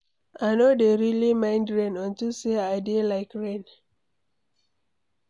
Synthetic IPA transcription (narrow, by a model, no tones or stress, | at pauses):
aɪnodeɹilimãɪ̃ndɹẽnɔ̃ntuseaɪdelaɪkɹẽn